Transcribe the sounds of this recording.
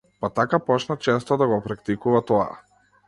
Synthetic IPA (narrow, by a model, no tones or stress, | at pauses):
pat̪akapɔt͡ʃnat͡ʃɛst̪ɔd̪aɡɔpɾakt̪ikuvat̪ɔa̰